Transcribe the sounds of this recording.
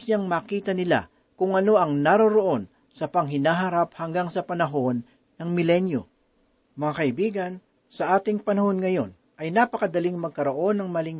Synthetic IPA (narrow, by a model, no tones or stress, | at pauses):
ɲaŋmaːkiːt̪ɐnɪla̰ | kʊŋɐno̞ʔɐŋnaɾoɾoʔo̞n | sɐpɐŋɦɪnaːɦɐɾap̚hɐŋɡaŋsɐpɐnɐɦo̞nː | ɐŋmɪlɛnjo | mɐŋakɐɪbiːɡɐn | sɐʔaːt̪ɪŋpɐnɐho̞nŋɐjo̞̰n | ʔɐjnapɐkɐd̪ɐlɪŋmɐɡ̚kɐɾo̞ʔo̞nːɐŋmɐlɪŋ